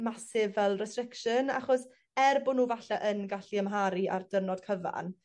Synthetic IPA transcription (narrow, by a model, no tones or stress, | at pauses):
masɪvɛlˠrɛstrɪkʃəna̰χɔs | ɛrbʊnːuːvaɬaʔənɡaɬiəmɦaɾiʔa̰rdərnɔd̥kʰəva̰n